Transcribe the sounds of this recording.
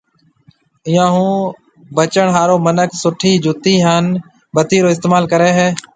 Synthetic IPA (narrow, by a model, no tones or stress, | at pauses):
ɪjãːɦũː | bət͡ʃəɳɦaːɾoːmənəksʊʈʰiːd͡ʒʊt̪iːɦəːn | bət̪iːɾoːɪst̪eːmaːlkəɾeːɦeː